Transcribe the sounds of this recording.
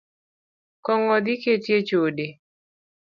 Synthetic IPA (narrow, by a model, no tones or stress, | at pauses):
kɔŋɔd̪ɪketjet͡ʃode